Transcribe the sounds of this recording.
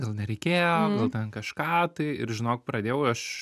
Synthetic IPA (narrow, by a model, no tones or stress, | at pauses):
ɡɐlˠnʲɛɾʲɛɪkʲeːjoɡɐlˠt̪ʲɛnkɐʃkɑːt̪ɐɪɪ̰ɾʒʲɪnoːk̚pɾɐd̪ʲeːjɛʊɐʃ